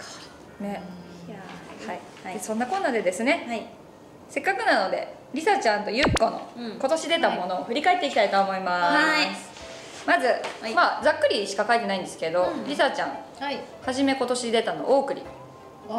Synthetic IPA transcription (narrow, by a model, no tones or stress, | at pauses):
ne̞ | hai | esõ̞nːakonːaːd̪e̞d̪e̞sɨne̞ | se̞kːakɯ̟nano̞d̪e̞ | ɾʲisat͡ɕãnt̪o̞jɯ̟kːo̞no̞̰ko̞t̪o̞ɕid̪e̞t̪amo̞no̞ːɸɯ̟ɾʲikae̞t̪ːeikit̪ait̪o̞ːmo̞imas | mazɨmad͡zakːɯ̟ɾʲiɕi̥kakait̪e̞naĩnd̪e̞sɨ̥ke̞d̪o̞ɾʲisat͡ɕã̰ŋ̃ | haʑime̞ko̞t̪o̞ɕid̪e̞t̪ano̞̰ʔoːkɯ̟ɾʲḭ